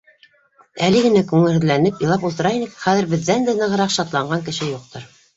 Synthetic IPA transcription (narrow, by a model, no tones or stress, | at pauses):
ælɘɡɘ̆nækʉŋɘ̆hɘ̆ðlænɘpjɤ̆lˠɑpulˠt̪ɤ̆ɾɑjinɤkχæðɘ̆ɾbɘ̆ðːænd̪ænɤ̆ʁɤ̆ɾɑqʃɑt̪lˠɑɴɢɑŋkɘ̆ʃɘjuq̚t̪ɤɾ